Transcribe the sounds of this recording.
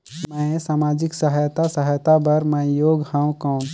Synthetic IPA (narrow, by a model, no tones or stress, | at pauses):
mə̃saːmaːd͡ʒɪksəɦajt̪asəɦəjt̪abəɾmə̃joːɡhãw̃kə̃